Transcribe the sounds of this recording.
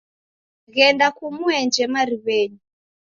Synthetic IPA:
ɣɛndakumuɛnd͡ʒɛmaɾiβɛːɲu

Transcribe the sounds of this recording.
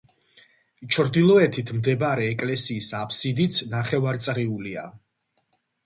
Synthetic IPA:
t͡ʃʰɾd̪ilˠɔɛt̪ʰit̪ʰmd̪ɛbaɾɛːkʼlɛsiːsapʰsid̪it̪sʰnaχɛvaɾt̪sʼɾiulia̰

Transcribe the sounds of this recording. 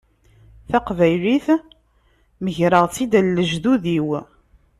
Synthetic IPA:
θæqvæjliθ | məʝɾəʁt͡sːid̪ælːəʒðuðiw

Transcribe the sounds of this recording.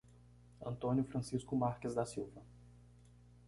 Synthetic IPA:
ɐ̰̃nt̪õnjʊfɾɐ̃siskʊmaɾkɪzd̪ɐsiwvɐ

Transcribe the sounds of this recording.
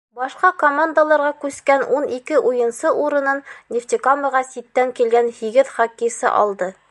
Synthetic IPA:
bɑʃqɑkomand̪əlˠɑɾʁɑkʉskænʔunikɘʔujɤ̆nsɤʔuɾɤ̆nɤnnʲɪft̪ʲikamɤʁɑsit̪ːæŋkilɡænhiɡɘðχɑkːisɤ̰ʔɒ̰lˠd̪ɤ

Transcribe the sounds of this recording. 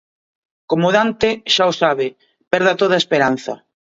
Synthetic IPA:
komoðant̪ɪʃaosaβɪ | pɛɾðɐt̪oð̞ɐespeɾan̟θɐ̰

